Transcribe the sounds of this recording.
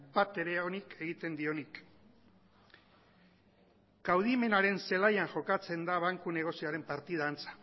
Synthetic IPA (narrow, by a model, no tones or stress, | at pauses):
bat̪e̞ɾe̞onikʰe̞ɣit̪e̞nd̪io̞nik | ɡ̥awð̞ime̞naɾe̞nse̞lajaŋʝo̞kat͡se̞nd̪aβaŋkune̞ɣ̞o̞sioaɾe̞mpaɾt̪ið̞aːnt͡sḁ